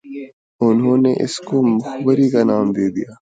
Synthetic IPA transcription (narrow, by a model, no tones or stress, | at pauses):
ʊnɦõːneʔɪ̰skomʊxbəɾikanaːmd̪eːd̪ijaː